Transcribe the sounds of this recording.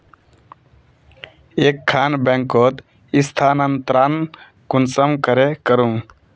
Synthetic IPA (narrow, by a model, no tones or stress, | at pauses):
eːkʰːaːnbɛŋkot̪ | ist̪ʰaːnənt̪ɾaːn | kunsəmkəɾekəɾũ